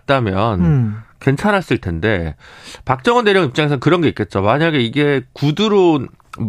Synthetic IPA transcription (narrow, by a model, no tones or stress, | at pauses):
t̚t͈amjʌnke̞nt͡ɕʰanɦas͈ɯɭtʰe̞nde̞pak̚t͡ɕ͈ʌŋʌndeɾjʌŋip̚t͡ɕ͈aŋe̞sʰʌnkɯɾʌnɡe̞ik͈e̞t̚t͡ɕ͈omaɲaɡe̞iɡe̞kuduɾo